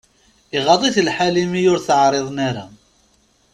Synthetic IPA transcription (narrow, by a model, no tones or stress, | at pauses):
iʁɑðˤiθlħalimijʊɾθəʕɾˤeðˤnaɾa̰